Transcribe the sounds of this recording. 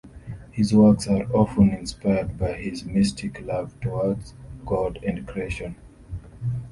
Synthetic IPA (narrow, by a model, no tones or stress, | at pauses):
hizwɜ˞ksaɹɔfə̃nɪ̃nspaɪəd̚baɪhɪzmɪstʰɪkʰlʌv̥tʰɔwɔdz̥ɡɔdæ̃ndkʰɹieʃə̃n